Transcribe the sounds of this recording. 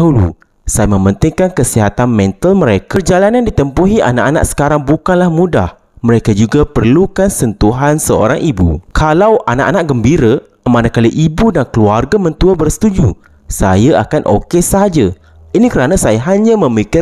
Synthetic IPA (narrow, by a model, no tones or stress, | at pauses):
aɦulṵ | sajamə̃mənt̪ɪŋkankəsiɦat̪anmɛ̃nt̪əlmə̃ɾekard͡ʒalanandit̪əmpuɦiʔa̰na̰ʔana̰ʔsə̥kaɾaŋbukanlahmũda̰h | məɾekad͡ʒuɡapərlukansənt̪uɦansəo̰ɾaŋʔibṵkʰalawʔana̰ʔanaʔ̚ɡəmbiɾə | manakaliʔibudankəluarɡamə̃nt̪uabərsə̥t̪ud͡ʒu | sajaʔa̰kanʔo̰kesəaɦad͡ʒa | inikəɾanasajaɦaɲãmə̃mikɪ